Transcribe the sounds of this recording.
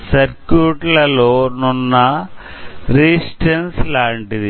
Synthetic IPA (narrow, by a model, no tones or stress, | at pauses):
sɐɾkjuːʈlɐlo̞ːnunːɐ | ɾisʈenslaːɳʈid̪i